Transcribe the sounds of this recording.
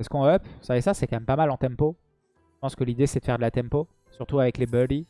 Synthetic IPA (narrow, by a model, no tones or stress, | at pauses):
ɛskɔ̃œpvu̥savesasɛkɑ̃mɛmpamalɑ̃t̪ɛ̃mpo | ʒəpɑ̃skəlid̪esɛd̪ə̥fɛʁd̪əlat̪ɛ̃mpo | syʁt̪uavɛklebœli